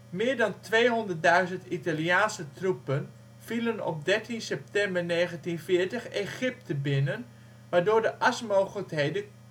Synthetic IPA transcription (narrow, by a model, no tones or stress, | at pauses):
mɪːɹdɑntʋejɦɔndərt̚dœɥzəntitaljaːnsətrupən | v̥ilənɔ̰p̚dɛɹtinsɛp̚tɛmbərneːɣəntinfɪːɹtəxeχɪp̚təbɪnən | ʋaːɹdoːɹdəʔasmowɣələkɦejdə